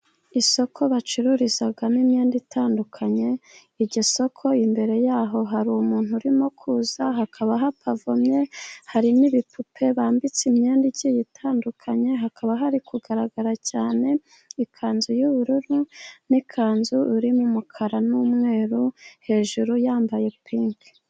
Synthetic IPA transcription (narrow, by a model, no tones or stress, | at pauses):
iso̞kʰo̞βat͡ʃuɾuɾizaɡanimɲeːnditʰaːndukʰaɲe̞ | iɟiso̞kʰo̞imbe̞ɾe̞jaːɦo̞ɦaɾumuːn̥huɾimo̞kʰuːzaɦakʰaβaɦapʰavomɲe̞haɾiniβipʰupʰe̞βaːmbit͡simɲeːndiɟijitʰaːndukʰaɲe̞ɦakaβaɦaɾikuɡaɾaɡaɾacaːne̞ | ikʰaːnzujuβuɾuɾunikʰaːnzuʔːɾimumukʰaɾanuːmŋe̞ːɾuhe̞ːʒuɾujaːmbaje̞piːŋke̥